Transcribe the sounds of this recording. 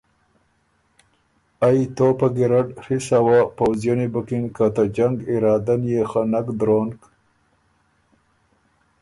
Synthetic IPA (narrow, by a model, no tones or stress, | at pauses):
ajt̪opaɡiɾaɖhisawapawzjonibakinkat̪ad͡ʒaŋɡiɾɑːd̪anjexanakd̪ɾoːnk